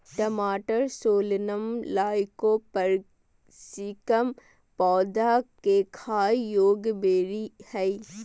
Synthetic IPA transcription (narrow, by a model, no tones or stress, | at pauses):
ʈəmaːʈəɾsoːlnəmlaːɪkopəɾ | sikəm | pɔːd̪akekʰaːijoːɡbeːɾihɛi